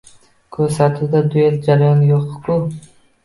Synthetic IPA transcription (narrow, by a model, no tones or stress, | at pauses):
kʰɵɾsat̪ʰuwd̪ad̪ʊjeld͡ʒaɾajɒnjoqkʰʊ